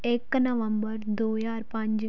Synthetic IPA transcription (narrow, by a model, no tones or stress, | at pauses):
eknɐʋəmbəɾd̪oːjaːɾpɐ̃ɲd͡ʒ